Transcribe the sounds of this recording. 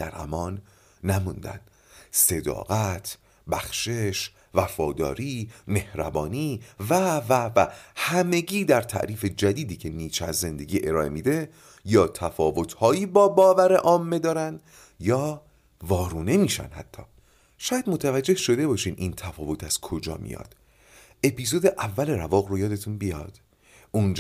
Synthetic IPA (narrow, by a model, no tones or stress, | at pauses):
d̪̥æ̰ɾhæ̰mɒːnː | æmund̪æ̰n̥ | se̞d̪ɒ̰ːɣæt̪ʰ | bæxʃeʃ | væfɒːd̪ɒ̰ːɾiːme̞hɾæbɒːniːvævævæhæme̞ɟiːd̪æɾt̪ʰæ̰ʔɾiːfe̞d͡ʒæd̪iːd̪iːcʰe̞niːt͡ʃʰæzːe̞nd̪e̞ɟʲiːʔe̞ɾɒːʔemiːd̪e̞ | jɒːt̪ʰæfɒːvo̞t̪ʰhɒːiːbɒːbɒːvæɾe̞ʔɒːmːe̞d̪ɒːɾænd̪ | jɒː | vɒːɾuːne̞miːʃæ̰nhæ̰t̪ʰːɒ̰ː | ʃɒːjæd̪mot̪ʰævæd͡ʒːe̞hʃo̞d̪e̞bɒːʃiːnʔint̪ʰæfɒːvo̞t̪ʰæz̥kʰo̞d͡ʒɒ̰ːmḭjɒ̰ːd̪̥ | e̞pʰiːzoːd̪eʔævːæleɾævɒːɣrojɒːd̪e̞t̪ʰunbijɒ̰ːd̪̥ | ʔund͡ʒ